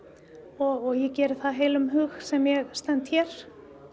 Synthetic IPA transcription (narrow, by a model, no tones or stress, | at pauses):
ɔɣɔɣjɛcɛːɾɪθaðɦeːjlʏmɦʏɣsɛmjɛɣst̪ɛnt̪çɛɾ̥